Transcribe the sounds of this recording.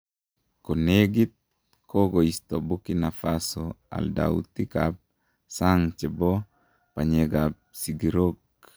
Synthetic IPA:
koneɡit̪̚ | koɡoist̪ɔbukinafasoa̰lda̰ṵt̪ikap̚ | saŋt͡ʃɛbɔ | paɲɛɡap̚siɡiɾok̚

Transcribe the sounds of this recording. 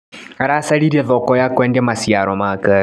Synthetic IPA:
ɾasaliɾɛðɔkɔjakwɛndɛmasiaɾɔmaka

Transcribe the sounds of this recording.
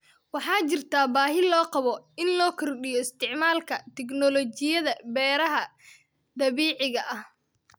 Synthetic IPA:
wɑħɑːt͡ʃɪrt̪ʰaːbaːɦɪlɔːqɑβɔɪnlɔːkʰɔrɖɪjɔɪst̪ʰɪʕmaːlkʰɐt̪ʰɛɡnɔlɔt͡ʃɪjɐðɐbɛːɾɐɦɐ | d̪ɐβiːʕɪɣɐʔɐh

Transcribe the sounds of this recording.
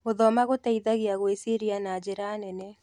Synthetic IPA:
ɣoðɔmaɣotaiðaɣeaɣwesiɾianad͡ʒeɾanɛnɛ

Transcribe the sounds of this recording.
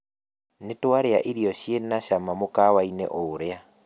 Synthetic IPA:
netwaɾeaʔiɾijɔɕjenaʃamamokawainɛ̰ʔoːɾea

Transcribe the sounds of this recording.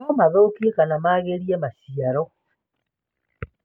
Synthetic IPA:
ɔmaðokiekanamaɣeɾiɛmasiaɾɔ

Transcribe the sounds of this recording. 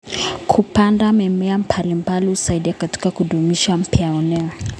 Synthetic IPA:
kʰupandamɛmɛam̩palimbaliusaiɗiakati̥kakuɗumiʃam̩pjaɔnɛa

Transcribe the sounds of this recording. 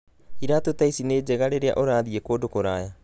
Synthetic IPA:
iɾaːtotaisineːd͡ʒeɣaɾeɾea̰ʔoɾaːðiekoːdokoɾaːja

